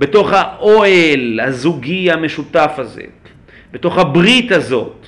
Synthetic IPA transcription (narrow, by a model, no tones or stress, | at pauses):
be̞to̞χhaʔoelhazuɡiame̞ʃut̪afazḛ | b̥e̞to̞χhabʁit̪azo̞̰t̪